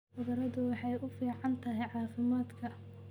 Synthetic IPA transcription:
ʊðɐɾɐðʊwɑħɑjʔʊfiːʕɑnt̪ʰɐɦɛjʕɑːfɪmaːd̪kʰɐ

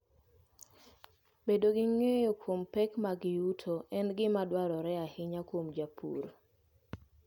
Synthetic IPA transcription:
bedoɡɪŋejokwompɛkmaɡɪutʰoɛnɡɪmadwaɾɔɾɛahɪɲakwomd͡ʒapʰṵɾ

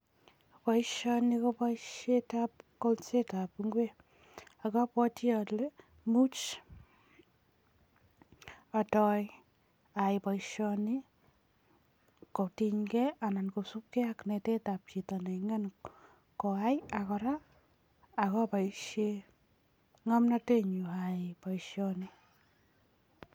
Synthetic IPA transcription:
paiʃɔnikopaʃetap̚kolt͡ʃetapŋɡwe | akapɔtiɔle | mut͡ʃ | atɔj | ajpaiʃɔni | kotiɲkɛanankosup̚kɛaknetetap̚t͡ʃitaneŋen | koajakɔɾaː | kɔpaiʃe | ŋamnateɲuaipaʃjɔni

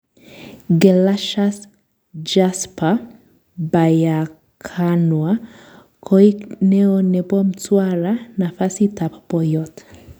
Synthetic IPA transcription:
ɡɛlaʃas | d͡ʒaspa | baja | kʰanwa | kʰɔiknɛɔnɛbɔmtwaɾanafasitapapɔjɔt

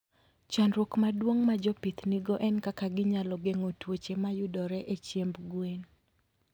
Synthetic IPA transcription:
t͡ʃanɾwokmadwoŋmad͡ʒɔpɪt̪niɡɔʔɛnkakaɡɪɲalɔɡeŋotwot͡ʃemajʊdɔɾɛʔet͡ʃjembɡwen

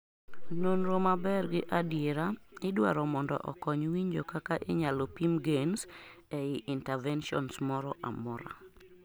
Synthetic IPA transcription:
nonɾomabɛrɡɪʔadjeɾaɪdwa̰ɾɔmɔndɔ̰ʔɔ̰kɔɲwiɲd͡ʒokakaʔɪɲalɔpimɡensɛɪʔintɛvɛnʃɔ̰nsmɔɾɔʔa̰mɔɾa̰

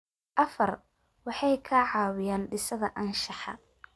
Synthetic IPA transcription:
ʔɐfɐr | wɑħɑjkʰɐʕɑːwɪjaːnɖɪsɐðɐʔɐnʃɑħɑ̰

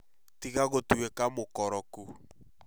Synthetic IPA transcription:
tiɣaɣotuekamokɔɾɔku

